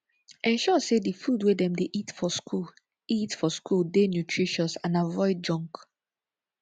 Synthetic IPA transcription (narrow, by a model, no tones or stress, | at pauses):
ɛ̃nʃɔsedifudwedɛ̃mdeʔitfɔskʰu | itfɔskuldenjutʰɹiʃɔsãnavɔɪd̚d͡ʒɔ̃ŋk